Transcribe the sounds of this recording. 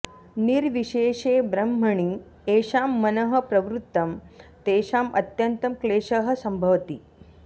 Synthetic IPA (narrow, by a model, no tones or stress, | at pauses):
niɾʋiɕeːʂeːbɾɐm̤ɐɳi | eːʂaːmːɐnɐɦɐ̆pɾɐʋɾut̪ːɐmt̪eːʃaːmʔɐt̪jɐnt̪ɐmkleːʂɐɦɐsɐmbʱɐʋt̪i